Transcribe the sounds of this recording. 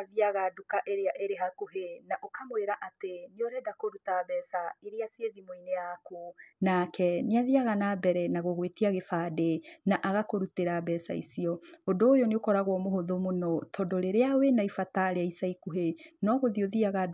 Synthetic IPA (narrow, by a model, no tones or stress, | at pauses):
ðiaɣadukaʔeɾeaʔeɾeɦakoɦenaʔokamweɾaʔateneoɾɛdakoɾutabɛːsaiɾeasieðimoineakunakɛneaðiaɣanabɛɾɛnaɣoɣwetiaɣefaːdenaʔaɣakoɾuteɾabɛsa̰ḭsiɔondoːjɔneokɔɾaɣwɔmoɦoðomonɔtʰɔdɔɾeɾeawenaifataɾeaisaikuɦenɔɣoðioðiaɣa